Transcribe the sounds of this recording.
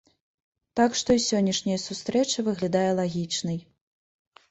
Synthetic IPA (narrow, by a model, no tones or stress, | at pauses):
t̪akʂt̪ɔisʲɔnʲːɐʂnʲɐjɐsust̪ɾɛt͡ʂɐvɨɣlʲad̪ajɛlˠaɣʲit͡ʂnɨj